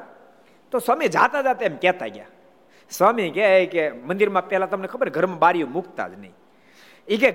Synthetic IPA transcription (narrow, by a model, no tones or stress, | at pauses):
t̪osaːmed͡ʒa̰ːt̪ad͡ʒaːt̪eːmkɛːt̪a̰ɡja̰ː | swaːmĩkeekemə̃nd̪ɪɾmãpɛːlat̪əmnekʰəbəɾɡʱəɾmãbaːɾijõmʊkt̪a̰ːd͡ʒna̰ḭ̃ | ike